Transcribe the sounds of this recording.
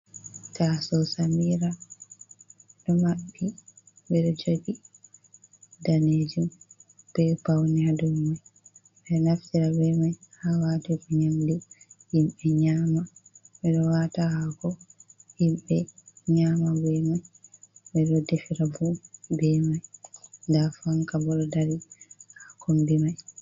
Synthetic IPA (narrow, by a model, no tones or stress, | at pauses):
tasɔsamiɾa | ɗɔmaɓːi | bɛɗɔd͡ʒoɡi | daned͡ʒumb̥ɛpawniadɔmmaj | ɓɛnaftiɾabɛmajhawaːtikɔɲamdihimɓɛɲaːmaɓɛɗɔwatahaɡɔhimɓɛɲaːmabɛmajbɛɗɔdefiɾabubɛmajndafaŋkabɔɾɔdaɾihakʰombimaj